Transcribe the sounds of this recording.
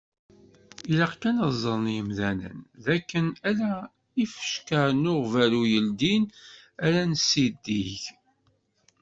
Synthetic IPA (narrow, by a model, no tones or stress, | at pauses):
ilaqkːænəzˤəɾˤnjəmðænə̰nðækːənælæ | ifə̥ʃkəɾnʊʁvælujəld̪in | æɾænsid̪ːiʝ